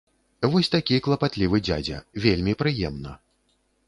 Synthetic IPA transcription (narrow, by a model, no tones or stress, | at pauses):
vɔsʲt̪akʲiklˠɐpat̪lʲivɨd͡zʲa̰d͡zʲɐ̰vʲelʲmʲipɾɨjɛmnɐ